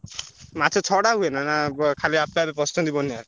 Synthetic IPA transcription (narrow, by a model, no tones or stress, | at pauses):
mat͡ʃʰɔt͡ʃʰɔɽaɦuenanakʰaliapabepɔstɔd̪ibɔnaɾ